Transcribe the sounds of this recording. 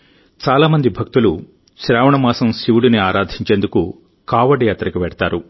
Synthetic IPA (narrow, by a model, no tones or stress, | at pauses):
t͡ʃaːlaːmɐnd̪ibʱɐk̚t̪ulu | ʃɾaːʋɐɳɐmaːsɐmsiʋuɽuniaːɾaːd̪ʱiɲt͡ʃeːnd̪uku | kaːʋɐɖjaːt̪ɾɐkuʋɛɽɐt̪aːɾu